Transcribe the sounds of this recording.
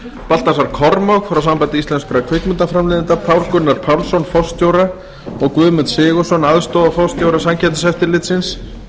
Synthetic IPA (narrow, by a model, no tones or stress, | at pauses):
pal̥t̪asaɾ̥kʰɔɾmaɣfɾawsampajt̪ɪisɛnskʏɾakʰvɪkmʏnt̪afɾamlɪðɪnt̪apʰawl̥kʏnːaɾ̥pʰawlsɔnfɔwst̪jowɾa | ɔɣkvʏːmʏt̪sɪːɣɔsɔnaðst̪ɔðafɔst̪jowɾasamcʰɛt̪ḁsɛft̪ɪɾlɪt̪sɪns